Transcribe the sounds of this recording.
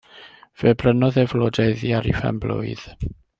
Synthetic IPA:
v̥ɛbrənɔðɛvlɔdɛðjiaɾḭfɛ̰mblʊ̰ɨð̥

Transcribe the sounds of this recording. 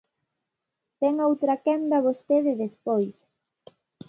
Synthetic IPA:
t̪ɛŋowt̪ɾakɛnd̪ɐβost̪eðɪðespojs

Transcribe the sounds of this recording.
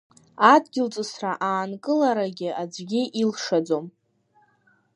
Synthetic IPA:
adɡʲɪlt͡sʼɨsraʔaːnkʼɨlaɾaɡʲɪad͡zʷɡʲɪʔilʂad͡zo̞m

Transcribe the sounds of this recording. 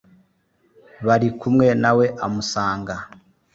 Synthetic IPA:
βaɾikumŋe̞nawe̞ʔamusaːŋɡa

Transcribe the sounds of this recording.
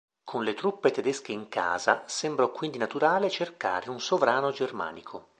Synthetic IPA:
kʰonlet̪ɾupːet̪ed̪ɛsk̟eiŋka̰ːza̰sɛmbɾokwind̪inat̪uɾaːlet͡ʃerka̰ːɾeunsovɾaːnod͡ʒerma̰ːnikʰo

